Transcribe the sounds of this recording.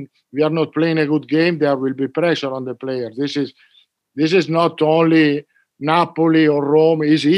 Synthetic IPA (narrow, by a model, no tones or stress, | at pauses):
wiaɾnɔt̪̚pleɪ̃ŋeɡud̪̚ɡẽjmd̪ɛɹwilbipɾɛʃəɾɔ̃nd̪əplejəɾðisɪz | ðis̬ɪznɔt̪õnli | napoliɔɾːõmizi